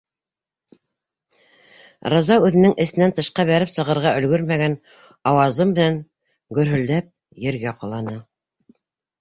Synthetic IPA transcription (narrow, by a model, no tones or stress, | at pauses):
ɾɑzɑʉðɘ̆nɘŋɘ̆sɘ̆nænt̪ɤ̆ʃqɑβæɾɘpsɤ̆ʁɤ̆ɾʁɑʔɵ̆lɡɵɾmæɡæn | ɑwɑzɤmmɘ̆næŋ | ɡɵ̆ɾɦɵ̆ld̪æp̚ | jɘ̆ɾɡæqŏlˠɑnɤ